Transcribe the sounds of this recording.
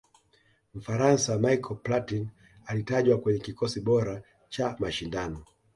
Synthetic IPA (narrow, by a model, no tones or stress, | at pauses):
m̩faɾansamaikʰɔplatin | alitaʄwakwɛɲɛkikɔsiɓɔɾa | t͡ʃamaʃindanɔ